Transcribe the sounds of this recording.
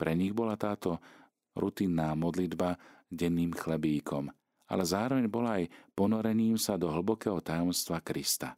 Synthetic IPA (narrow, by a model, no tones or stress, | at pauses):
pɾɛɲiɣbɔlat̪aːt̪ɔ | ɾut̪inːaːmɔd̪lid̪ba | ɟɛnːiːmxlɛbiːkʰɔm | a̰lɛzaːɾɔʋɛɲbɔlaajpɔnɔɾɛɲiːmsad̪ɔɦl̩bɔkɛːɦɔt̪ajɔmst̪ʋakɾist̪a̰